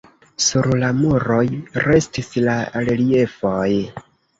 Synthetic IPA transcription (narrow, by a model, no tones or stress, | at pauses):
suɾlamuɾo̞jɾe̞stislalelie̞foj